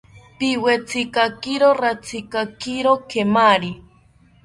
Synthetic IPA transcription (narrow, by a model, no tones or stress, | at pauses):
piwet͡sikakiɾoɾat͡sikakiɾokemaɾi